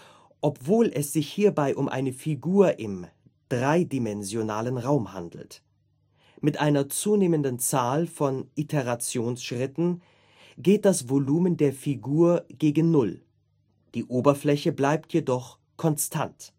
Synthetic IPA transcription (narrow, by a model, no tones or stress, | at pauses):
ʔɔpv̥oːlɛsz̥ɪçhiːɐbaɪʔʊmʔa̰ɪnəfiɡuːɐʔɪm | d̥ʁaɪdimɛnzjonaːlənʁaʊmha̰ndl̩t | mɪtʔaɪnɐt͡suːneːməndənt͡saːlfɔnʔitʰeʁat͡sjoːnsʃʁ̥ɪtn̩ | ɡeːt̚d̥asv̥oluːməndeːɐfiɡuːɐɡ̥eːɡn̩nʊl | d̥iːʔoːbɐflɛçəblaɪp̚tjedɔχ | kʰɔnstʰa̰nt